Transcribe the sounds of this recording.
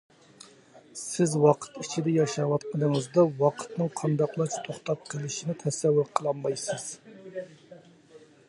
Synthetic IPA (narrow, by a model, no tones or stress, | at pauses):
sɪzwɑqʰə̥t̪it͡ʃʰid̪ɛjɑʃɑwɑt̪qʰənəŋəzd̪ɑwɑqʰə̥t̪nɨŋqʰɑnd̪ɑqlˠɑt͡ʃʰt̪ʰoχt̪ɑp̚qʰəlˠɪʃinɪt̪ʰɛsɛwːʊɾqʰəlˠɑnmɑjsɨz̥